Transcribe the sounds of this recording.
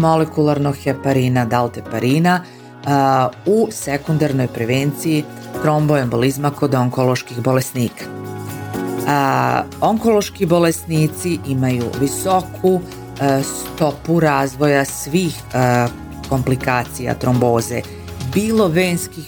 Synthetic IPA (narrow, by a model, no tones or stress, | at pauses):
mo̞lekulˠaɾno̞ɡxepaɾiːnad̪alˠt̪epaɾiːna | use̞kund̪aɾno̞jpɾe̞ʋent̪siji | t̪ɾo̞mboembolizmako̞d̪oŋkolˠo̞ʃkixbo̞lesniːkḁ | oŋko̞lo̞ʃkibo̞lesniːt̪siʔimajṵʋiso̞kʰu | st̪o̞puɾaːzʋo̞jasʋiːx | ko̞mplikaːt̪sija̰t̪ɾo̞mbo̞ːze̞ | biːlˠo̞ʋeːnskix